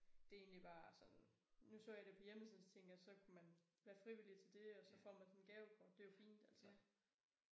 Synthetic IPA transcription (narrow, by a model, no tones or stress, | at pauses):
d̥e̝e̝ːnlib̥ɑ̈ːsɒ̽n | nusɔ̰ːjɑ̈ɾepʰɒ̽jeməsiðˠst͡sʰeŋ̰ɡ̥ɐsɒ̽kʰumænʋæːɐfʁiʋilit͡sʰe̝ld̥e̝ɒ̽sɒ̽fɒ̰ːmænsɒ̽nɡ̥ɛːʊpʰɒd̥e̝jo̝fḭːnd̥æl̰sɒ